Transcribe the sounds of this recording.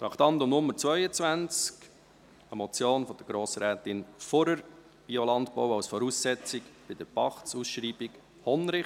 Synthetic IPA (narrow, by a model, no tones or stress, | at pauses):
t̪ɑkt̪ɑnd̪ʊmnʊmːəɾt͡svœʏət͡svænt͡sk | əmɔt͡sjoːnfɔd̥əɡ̥ɾoːsəɾɛːt̪ɪnfɔɾəɾ | b̥iɔlɑnt̪pɔ̰ʊɑwsfɔɾuːsːɛt͡sɪkb̥ɪd̥̪əɾpɑχtsusʃɾiːbɪk | hɔnɾɪ